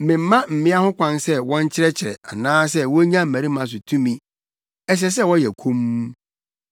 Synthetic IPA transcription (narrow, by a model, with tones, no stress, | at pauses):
mɪ̃˨m̩˦mã˦m̩˨mɪ̃˦a˦hʊ̃˦kʰʷã˦nsɛ˦wɔ̃˦ɲ̩˦t͡ɕʰɪ˦ɾɛ˦t͡ɕʰɪ˨ɾɛ̰˨a˨nãː˦s̬ɛ˦wɔ˦ɲã˦m̩˨mæ̃˨ɾi˦mã˨s̬ʊ˨tʰũ˦mĩ˦ | ɛ˦s̬ɛ˦s̬ɛ˦wɔ˦jɛ˨kʰũ˦m˦